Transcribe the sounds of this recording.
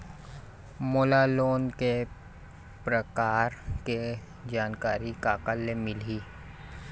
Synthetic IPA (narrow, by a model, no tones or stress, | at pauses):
moːlaloːnke | pɾəkaːɾke | d͡ʒaːnkaːɾikaːkəlːemɪliː